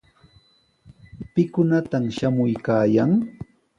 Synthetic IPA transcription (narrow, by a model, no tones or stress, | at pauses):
pɪkʊnat̪amʃamʊjkaːjaŋ